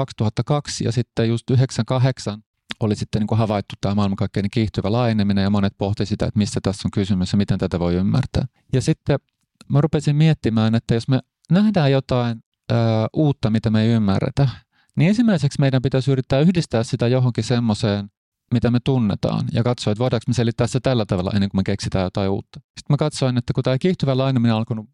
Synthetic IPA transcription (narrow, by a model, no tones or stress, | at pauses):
ɑkst̪uhɑt̪ːɑkɑksjɑ̰sit̪ːejust̪yɦeksɑŋkɑɦeksɑn | olisit̪ːeniːŋkuhɑʋɑit̪ːut̪ːæːmɑˑilmɑŋkɑikːeinekiːht̪yʋælɑijenemːinejɑmonet̪̚poht̪isit̪æ̰ḛt̪misːæt̪æsːoŋkysymysjɑmit̪ent̪æt̪æʋoiymːæ̰rt̪æ̰ː | jɑsit̪ːe | mærupesimmiet̪ːimæːnet̪ːæjosme | næhdæːjot̪ɑinː | uːt̪ːɑmit̪æmeiymːæ̰rːḛt̪æ | niensimːæiseksmeidæmpit̪æsyrit̪ːæːyhdist̪æːssit̪æjoɦoŋkisemːoseːn | mit̪æmet̪unːḛt̪ɑ̰ːnjɑ̰kɑt̪soːet̪ʋoidɑˑksmeselit̪ːæːset̪ælːæt̪ɑʋelːɑ̰enːeŋkumekeksit̪æːjot̪ɑiṵːt̪ːɑ̥si̥t̪mækɑt̪soinet̪ːækut̪æːkiːht̪yʋælːɑineminenɑlkonu